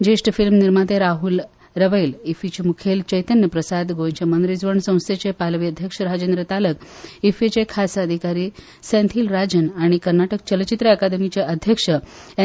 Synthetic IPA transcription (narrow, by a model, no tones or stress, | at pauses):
d͡ʑeʂʈfilmniɾmat̪eɾaɦul | ɾəʋəjlifit͡ɕemukʰelt͡ɕəjt̪ənjəpɾəsad̪ɡʱojt͡ɕemənd̪ɾid͡zʋəɳsə̃w̃st̪ʰet͡ɕepalʋiəd̪ʱjəkʂəɾad͡ʑend̪ɾət̪aləkifet͡ɕekʰasaəd̪ʱikaɾiː | sẽnt̪ʰiːlɾad͡ʑənaɽ̃ikəɾnaʈək̚t͡ɕəlt͡ɕit̪ɾəəkad̪əmit͡ɕeʔəd̪ʱjəkʂə